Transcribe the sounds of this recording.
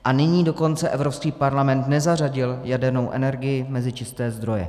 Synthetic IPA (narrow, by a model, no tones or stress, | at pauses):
ʔanɪɲiːdo̞ko̞nt͡sɛʔɛvɾopskiːpaɾlamɛnt̪nɛzar̝aɟɪljadɛɾno̞wʔɛ̰nɛɾɡɪjɪmɛzɪt͡ʃɪst̪ɛːzd̪ɾo̞jɛ̰